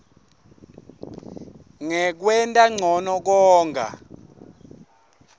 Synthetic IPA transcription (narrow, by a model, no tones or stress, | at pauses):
ŋɛk̬wɛntʼaŋ͡ǀʱɔnɔk̬ɔːŋɡʱa̰